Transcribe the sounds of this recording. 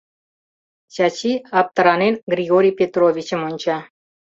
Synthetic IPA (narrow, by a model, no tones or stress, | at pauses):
t͡ɕat͡ɕiɑp̚t̪əɾɑnenɡrʲiɣoɾʲijpʲet̪rovʲit͡ɕə̆monʲt͡ɕɑ